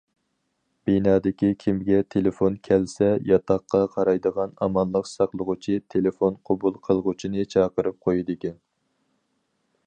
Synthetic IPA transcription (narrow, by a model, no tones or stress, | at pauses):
b̥inɑːd̪ɪkʲikʲʰimɡʲɛt̪ʰelefonkʲʰɛlsɛjɑt̪ʰɑqːɑqʰɑɾɑjd̪əʁɑnɑmɑnlˠəqsɑqlˠəʁʊt͡ʃʰit̪ʰelefonqʰobulˠqʰəlˠʁʊt͡ʃʰinɨt͡ʃʰɑːqəɾɨp̚qʰojid̪ɪkʲɛn